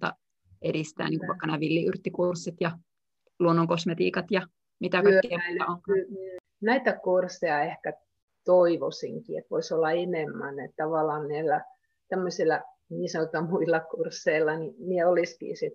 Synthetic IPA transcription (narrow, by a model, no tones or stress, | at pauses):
t̪ɑ̰ | ʔeɾist̪æ̰ːniŋkuʋʋɑˑikːɑnæːʋilːiyrt̪ːikursːit̪jɑ | luonːoŋkosmet̪ḭːkɑt̪jɑ | mit̪ækɑikːiɑæilːæoŋkl | næit̪ækursːejɑehkæ | t̪oiʋosḭŋkḭḛt̪ʋo̰isolːɑenemːænet̪t̪ɑʋɑlˑɑːnnæilːæ | t̪æmːøsʲilːɑ | niːsɑnot̪ːɑmuilːɑkursːeilːɑnimieoliskḭːsit̪